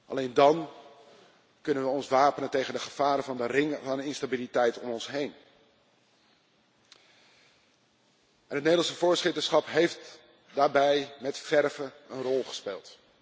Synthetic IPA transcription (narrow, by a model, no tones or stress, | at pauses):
ʔɑ̰lejndɑn | kɵnənʋəɔnsʋaːpənəntejχəndəχəv̥aːɾəvɑndərɪŋəvɑnəɪnstabilitɛjtɔmɔnsɦejn | ʔɛnɦət̚nejdlɑnsəvʊːɹsχɪtəɹsχɑpɦejft | daːɹbɛjmɛtfɛɹvə | ənrɔlˠχə̥spḛːlˠt